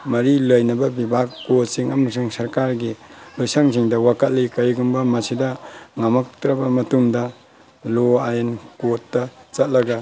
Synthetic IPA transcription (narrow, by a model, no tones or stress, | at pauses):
mɐɾiləjnɐbɐbibʱakːot̚siŋɐmɐs̬uŋsɐɾkaɾɡilujsaŋziŋdɐwakɐt̚likɐjɡumbɐmɐsidɐŋamak̚tɾɐbɐmɐtumdɐ | loajenkotːɐt͡ʃɐt̚lɐɡɐ